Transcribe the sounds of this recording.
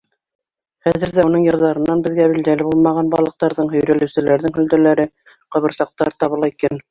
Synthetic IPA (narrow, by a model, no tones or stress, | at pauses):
χæðɘ̆ɾðæunɤɴjɤ̆ɾðɑɾɤ̆nːɑnbɘ̆ðɡæβild̪ælɘbulˠmɑʁɑnbɑlˠɤ̆q̚t̪ɑɾðɤɴhɵ̆jɾælɘ̆wsɘ̆læɾðɘŋɦɵ̆ld̪ælæɾɘ | qɤ̆βɤ̆ɾsɑq̚t̪ɑɾt̪ɑβɤ̆lˠɑikæn